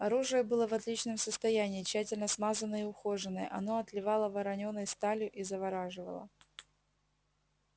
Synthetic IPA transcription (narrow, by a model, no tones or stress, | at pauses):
ɐɾuʐɨjəbɨlˠəvɐt̪lʲit͡ɕnəmsəst̪ɐjænʲɪːt͡ɕːætʲɪlʲnəsmazənəiʊxoʐɨnəjʔɐ̰no̞ɐt̪lʲɪvɑlˠəvɐɾɐnʲo̞nːəjst̪alʲʊʔizəvɐɾaʐɨvə̰lˠə̰